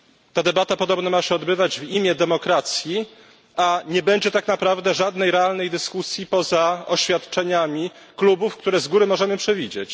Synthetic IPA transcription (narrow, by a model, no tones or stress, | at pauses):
t̪ad̪ɛbat̪apɔd̪ɔbnamaɕɛɔd̪bɘvad͡ʑvimʲjɛd̪ɛmɔkɾat̪sʲji | aɲɛbɛɲd͡ʑɛt̪aknapɾavd̪ɛʐad̪nɛjɾɛalnɛjd̪ɘskusʲjipɔzaɔɕfʲjat̪t͡ʂɛɲamʲi | klubufkt̪uɾɛzɡuɾɘmɔʐɛmɘpʂɛvʲid͡ʑet͡ɕ